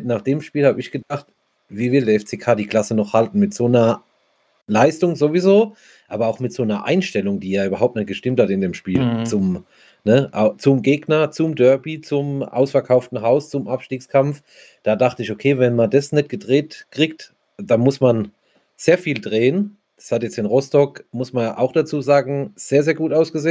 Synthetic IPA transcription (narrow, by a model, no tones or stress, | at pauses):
naːχd̥eːmʃpiːlhaːbəɪçɡ̥ədaχt | viːvɪldɛːɐɛft͡seːkʰaːdiːkʰl̥asənɔχhaltn̩mɪtz̥oːnɐ | laɪstʊŋzovizoː | ʔaːbɐaʊxmɪtz̥oːnɐʔa̰ɪnʃtɛlʊŋd̥iːjaːyːbɐɦaʊp̚tnɛt̚ɡ̥əʃtɪmthatɪndeːmʃpiːlt͡sʊm | nəʔat͡sʊmɡeːɡnɐt͡sʊmdœɐbit͡sʊmʔa̰ʊsfɛɐkʰaʊftn̩ɦaʊst͡sʊmʔapʃtiːkskʰamf | d̥aːdaχtəɪçokʰeːvɛnmandasnɛt̚ɡ̥ədʁeːtkʁ̥ikt | d̥anmʊsman | z̥eːɐfiːldʁeːən | d̥ḁshatjɛt͡sɪnʁɔstɔkmʊsmanjʔa̰ʊxd̥at͡suːzaːɡŋ̩z̥eːɐzeːɐɡuːtʔaʊsɡ̥əzeː